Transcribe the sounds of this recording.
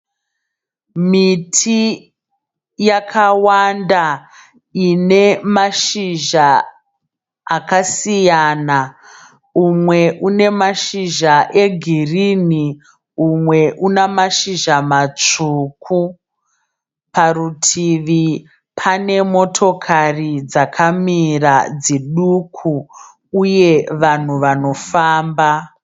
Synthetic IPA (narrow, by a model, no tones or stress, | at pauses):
mitʰi | jakʰawanda | ine̞maʃiʒa | kasijana | umwe̞ʔune̞maʃiʒaʔe̞ɡʱirini | umwe̞ʔunamaʃiʒamat͡ʂuːkʰu | parutʰiʋi | pʰane̞mo̞tʰo̞kʰarid͡zakʰamirad͡ziɗukʰu | uje̞ʋan̤uʋano̞faːmba